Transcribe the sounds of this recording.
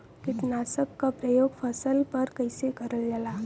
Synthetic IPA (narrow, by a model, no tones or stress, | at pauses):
kɪt̪naːsəkːapɾəjoːɡpʰɐsəlpɐɾkɐɪsekɐɾəld͡ʒalaː